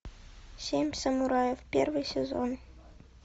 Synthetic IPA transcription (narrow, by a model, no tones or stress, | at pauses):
sʲemʲsʲɐmuɾɑjefpʲervɨjsʲezo̰n